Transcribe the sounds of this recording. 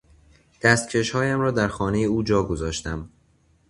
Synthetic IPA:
d̪̥æst̪̚cʰe̞ʃhɒːjæmɾɒːd̪æɾxɒːne̞jeuːd͡ʒɒːɡo̞zɒːʃt̪æm

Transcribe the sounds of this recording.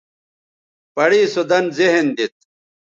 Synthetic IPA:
pɐɽiːsud̪ɐnzeɦend̪it̪̚

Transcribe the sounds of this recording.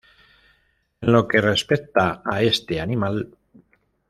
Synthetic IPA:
enlo̞ke̞re̞spekt̪aae̞st̪eanimal

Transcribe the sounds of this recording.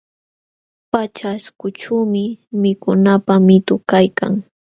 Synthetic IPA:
pat͡ʃaskʊʈ͡ʂumɪmɪkʊnapamɪt̪ʊkajka̰ŋ

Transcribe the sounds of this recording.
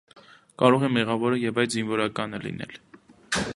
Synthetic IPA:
kɑɾɔʁɛmɛʁɑvɔɾəjɛvɑjd̪zinvɔɾɑkɑnəlḭnɛ̰l

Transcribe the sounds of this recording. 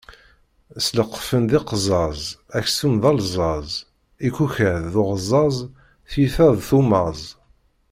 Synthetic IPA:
sləqːfənd̪iqzˤɑzˤæçsumðɑlzˤɑzˤ | ikːuçəðːʊʁzˤɑzˤ | θjiθæðˤθumɑzˤ

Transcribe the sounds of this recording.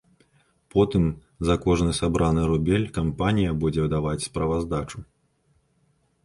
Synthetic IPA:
pɔt̪ɨm | zɐkɔʐnɨsabɾʔanɨɾubʲɛlʲkampanʲijɐbud͡zʲɛd̪avat͡sʲspɾɐvazd̪at͡ʂu

